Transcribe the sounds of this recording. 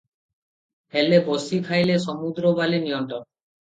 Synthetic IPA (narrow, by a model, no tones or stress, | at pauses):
helebosik̪ʰajleʃɔmud̪ɾobalinijɔnt̪ɾɔn